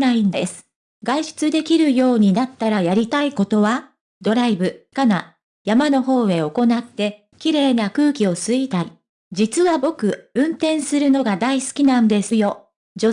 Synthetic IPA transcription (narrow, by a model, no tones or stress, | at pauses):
aĩnesɨ̥ | ɡaiɕɨ̥t͡sɨd̪e̞kʲiɾɯ̟jo̞ːɲ̟inat̪ːaɾajaɾʲit̪aiko̞t̪o̞βa | d̪o̞ɾaibɯ̟kana | jamano̞ɦo̞ːe̞o̞ko̞nat̪ːe̞ | kʲiɾe̞ːnakɯːkʲio̞sɨit̪aɾʲi | d͡ʑit͡sɨβabo̞kɯ̟ɯ̟̃nt̪ẽ̞ɰ̃sɨɾɯ̟no̞ɡad̪aisɨ̥kʲinãnd̪e̞sɨjo̞ | d͡ʑo̞